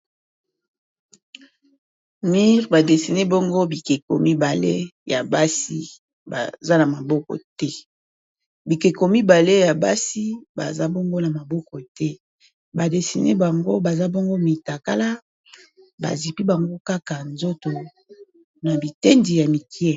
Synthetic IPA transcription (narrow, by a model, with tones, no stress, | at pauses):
mi˦ʁba˨de˨si˨ne˦bɔ˦ŋɡo˦bi˨ke˨ko̰˨mi˦ba˨le˦ja˨ba˦si˦ | ba̰˨za˦na˨ma˨bɔ˦kɔ̰˨tɛ˦ | bi˨ke˨ko˨mi˦ba˨le˦ja˨ba˦si˦ba̰˨za˦bɔ˦ŋɡo˦na˨ma˨bɔ˦kɔ˨tɛ˦ | ba˨de˨si˨nḛ˦ba˨ŋɡo˦ba˨za˦bɔ˦ŋɡo˦mi˨ta˨ka˦la˦ | ba̰˨zi˨pi˦ba˨ŋɡo˦ka˦ka˨nzo˦to˨ | na˨bi˨te˦ndi˨ja˨mi˨kjɛ˦